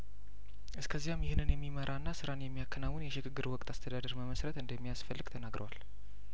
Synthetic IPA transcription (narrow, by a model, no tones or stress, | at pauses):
ʔɨskʰəzːijamjɪhɨnɨnjɛmːiməɾʔanːasɨɾanjɛmːijakʰːənawʊnjɛʃɪɡɨɡːɨɾwɔkʼt̪ʼʰast̪ʰəd̪ad̪əɾməməsɾət̪ɨnd̪əmːijasfəlːɨɡ̥t̪ʰənaɡɾə̰wal